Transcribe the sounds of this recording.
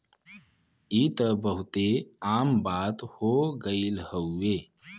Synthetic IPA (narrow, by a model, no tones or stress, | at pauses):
iːt̪əbəɦʊt̪eaːmbaːt̪hoːɡəilhəueː